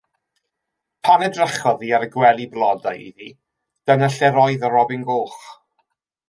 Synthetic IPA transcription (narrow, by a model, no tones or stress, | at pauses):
pʰanɛdrəχɔðiaɾəɡwɛlˠiblˠɔdajḭði | d̥ənaɬɛɾɔɨðəɾɔbɪnɡoːχ